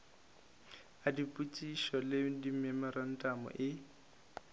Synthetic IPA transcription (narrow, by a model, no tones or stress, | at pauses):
adipʼut͡sʼiʃɔlɪdimɛmɔɾan̩tʼamɔ̰ʔɪ